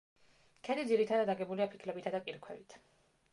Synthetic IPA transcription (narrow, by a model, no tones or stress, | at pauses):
kʰɛd̪id̪ziɾit̪ʰad̪ad̪aɡɛbuliapʰi̥kʰlɛbit̪ʰad̪akʼiɾkʰwɛvit̪ʰ